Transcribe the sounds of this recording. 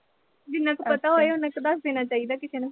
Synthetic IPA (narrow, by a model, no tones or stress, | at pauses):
d͡ʒɪnːãːkːpət̪aɦoːeʊnãkod̪əsd̪eːnaːt͡ʃaːid̪aːkɪseːnã